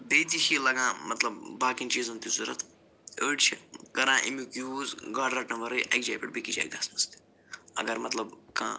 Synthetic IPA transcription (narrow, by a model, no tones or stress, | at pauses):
beːt̪ikʰilɐɡãːmɐt̪lɐbːaːkint͡ʃizunt̪izuɾɐ̰t̪ | əːʈt͡ʃʰikɐɾãːʔḭmukjuːzɡaːɖɾɐʈnɐʋɐɾɐjʔɐ̰jk̚d͡ʒaːjpɐʈ̚bikid͡ʒa̰ːjk̚d̪ɐsnɐst̪i̥ | ɐ̰ɡɐɾmɐt̪lɐbkã̰ː